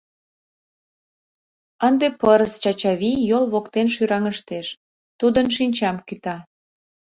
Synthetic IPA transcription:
ənd̪epəɾəst͡ɕɑt͡ɕɑβijolβokt̪enʃyɾɑŋəʃt̪eʃ | t̪ud̪ənʃinʲt͡ɕɑmkyt̪ɑ

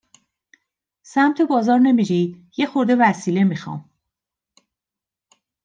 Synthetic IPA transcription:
sæmt̪ʰe̞bɒːzɒːɾne̞miɾid̪̥je̞xo̞ɾd̪e̞væsiːle̞mixɒ̰ːm

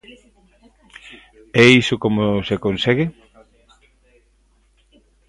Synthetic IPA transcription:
ɛisʊkomosekonsɛɣe

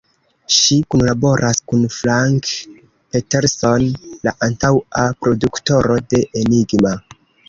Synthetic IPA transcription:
ʃikunlabo̞ɾʔaskunflaŋk | pete̞ɾso̞nlaʔantawapɾo̞dukto̞ɾo̞de̞ʔeniɡma

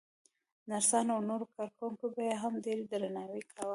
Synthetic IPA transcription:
naɾsɑnawnoɾokɑɾkuŋkobajeɦamd̪eɾd̪ɾanɑwikʰawə

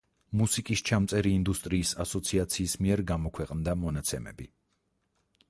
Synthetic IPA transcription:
musikʼist͡ʃʰamt̪sʼɛɾiːnd̪ust̪ʼɾiːsasɔt̪sʰiat̪sʰiːsmiɛɾɡamɔkʰwɛqʼnd̪amɔnat̪sʰɛmɛ̰bi

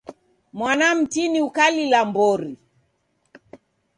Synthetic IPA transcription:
mwanam̩tiniukalilambɔɾi

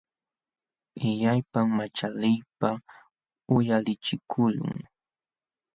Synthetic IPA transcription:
ɪʎajpammat͡ʃalɪjpa | ʊjalɪt͡ʃɪkʰʊʎʊ̰ŋ

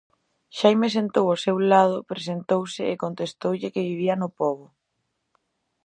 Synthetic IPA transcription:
ʃajmes̬ent̪owosewlað̞ʊpɾesent̪owsɪekont̪est̪owʎɪkɪβiβ̞iɐnʊpɔβʊ

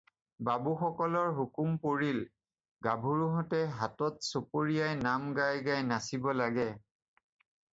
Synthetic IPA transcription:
babuxɔkɔlɔɹɦukumpoɹil | ɡabʱuɹuɦɔtɛɦatɔtsopoɹijajnamɡajɡajnasibɔlaɡɛ

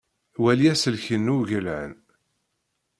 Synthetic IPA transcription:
wæliæsəlçənːuʝəlʕən

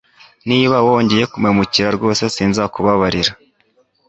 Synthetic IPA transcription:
niːβawo̞ːɲɟeje̞kumŋemuciɾaɾɡo̞ːse̞siːnzakuβaβaɾiɾa

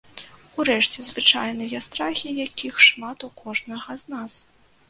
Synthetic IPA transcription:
uɾɛʂt͡sʲɛzvɨt͡ʂajnɨjɐst̪ɾaxʲijakʲixʂmat̪ukɔʐnɐɣɐznas

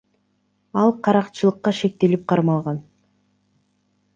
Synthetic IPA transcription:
ɑlˠqʰɑɾɑqt͡ʃɯlˠɯqːɑʃe̞k̚t̪e̞lip̚qʰɑɾmɑlˠʁɑn

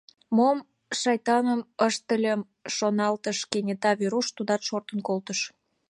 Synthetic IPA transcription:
mom | ʃɑjt̪ɑnəməʃt̪əlʲəm | ʃonɑlt̪əʃkenʲet̪ɑβiɾuʃt̪ud̪ɑt̪ʃort̪ə̆nkolt̪əʃ

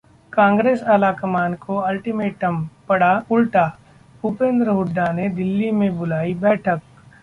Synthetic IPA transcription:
kãːŋɡɾeːsalakɐmaːnkoɐlʈimeːʈəmpɐɽaʊlʈaː | ʊpẽːnd̪ɾəɦʊɖːaned̪ɪlːimẽbʊlaːibɛːʈʰək̚

